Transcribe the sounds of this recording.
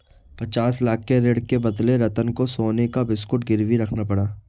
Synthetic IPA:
pɐt͡ʃaːslaːk̚ʰːeɾeːɽkebɐd̪leɾɐt̪ənkosoːnekabɪskʊʈɡɪɾʋiɾɐkʰnapɐɽaː

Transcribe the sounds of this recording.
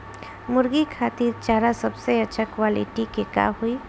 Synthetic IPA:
mʊɾɡikʰaːt̪iːɾt͡ʃaːɾasɐbseɐtːʃʰakwaːlɪ̰ʈikeka̰ːɦui

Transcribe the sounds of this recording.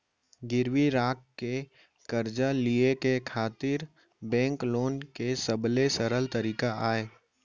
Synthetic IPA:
ɡɪɾwiɾaːkkːe | kɐɾd͡ʒaliekekʰaːt̪ɪɾ | bɛ̃ːŋkloːnkesɐblesɐɾəlt̪əɾiːkaaːeː

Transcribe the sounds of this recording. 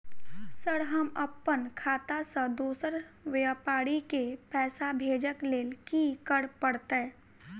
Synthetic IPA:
səɽɦəməpːənkʰaːt̪asə̃d̪oːsəɾʋjəpaːɽikepɛːsabʱeːd͡ʒəkleːlkikəɽpəɽt̪e

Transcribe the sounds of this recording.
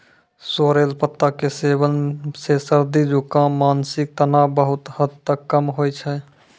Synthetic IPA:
soɾelpət̪ːakesebənsesəɾd̪id͡ʒukãmaːnsɪk̚t̪ənabəɦʊt̪həd̪t̪əkːəmɦojt͡ʃʰɛ

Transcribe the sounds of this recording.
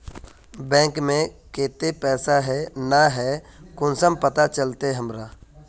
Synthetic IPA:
bɛ̃ːŋkmẽkeːt̪epɛːsaɦɛnaɦɛkʊnsəmpət̪at͡ʃəlt̪eɦəmɾa

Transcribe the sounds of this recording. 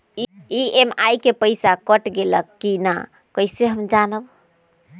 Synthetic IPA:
iiemajkepəjsakəʈɡeləkːina | kəjseɦəmd͡ʒanəb

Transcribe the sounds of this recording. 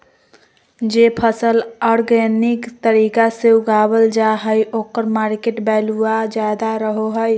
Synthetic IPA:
d͡ʒepʰəsəlɔɾɡɛnɪkt̪əɾiːkaseuɡaːbəld͡ʒaɦəjʔoːkəɾmaːɾkeʈbɛːluad͡ʒjaːd̪aɾəɦoɦəj

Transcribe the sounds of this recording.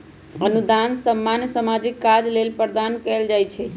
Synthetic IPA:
ənud̪ansəmːansəmad͡ʒikːad͡ʒlelpɾd̪ankɛld͡ʒajt͡ʃʰɛ

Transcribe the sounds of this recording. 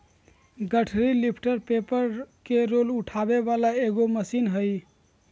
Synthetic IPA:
ɡəʈʰɾilipʰʈəɾpepəɾkeɾoluʈʰabeβalaeɡoməsinɦəj

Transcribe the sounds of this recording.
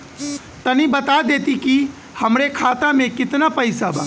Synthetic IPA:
t̪ənibət̪ad̪eːt̪iki | həmɾekʰaːt̪amẽkɪt̪napəɪsaba̰ː

